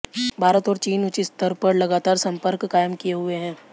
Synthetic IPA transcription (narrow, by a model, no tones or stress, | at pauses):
bʱaːɾət̪ɔːɾt͡ʃiːnʊt͡ʃist̪əɾpəɾlɐɡaːt̪aːɾsɐ̃mpəɾkːaːjəmkijeɦʊeɦɛ̃ː